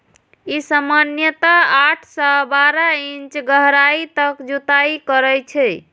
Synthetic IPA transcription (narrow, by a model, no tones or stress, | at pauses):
isamanjət̪aaʈʰsɔbaɾaint͡ʃɡəɦɾait̪əkd͡ʒut̪aikəɾɛjt͡ʃʰɛ